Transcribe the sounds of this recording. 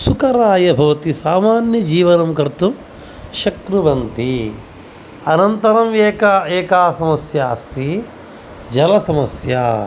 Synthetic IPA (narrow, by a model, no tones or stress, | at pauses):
sukɐɾaːjɐbʱɐʋɐt̪isaːmaːnjɐd͡ʒiːʋɐnɐmkɐɾt̪um | ʃɐkɾuʋɐnt̪i | ɐnɐnt̪ɐɾɐmeːkaːeːkaːsɐmɐsjaːst̪i | d͡ʒɐlɐsɐmɐsjaː